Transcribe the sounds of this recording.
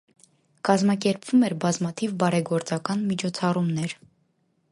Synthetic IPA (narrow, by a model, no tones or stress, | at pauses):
kɑzmɑk̬ɛɾpv̥umɛɾbɑzmɑt̪ʰivbɑɾɛɡɔɾt͡sɑkɑnmit͡ʃʰɔt͡sʰɑrumnɛɾ